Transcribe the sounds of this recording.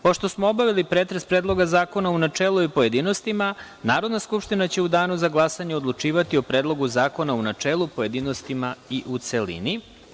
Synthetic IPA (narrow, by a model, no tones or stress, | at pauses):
po̞ʃt̪o̞smoobaʋilipɾeːt̪ɾespɾeːd̪lˠo̞ɡazaːko̞naunat͡ʂeːlˠuipoje̞d̪ino̞st̪ima | naːɾo̞d̪naskupʃt̪inat͡ɕe̞ud̪aːnuzaɡlˠasaɲeod̪lˠut͡ʃiːʋat̪io̞pɾeːd̪lˠo̞ɡuzaːko̞naunat͡ʃeːlˠupoje̞d̪iːno̞st̪imaiʔut̪selḭni